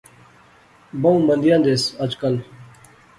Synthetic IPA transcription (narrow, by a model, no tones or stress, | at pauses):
bɐũmɐnd̪ijãːnd̪esɐd͡ʒkɐl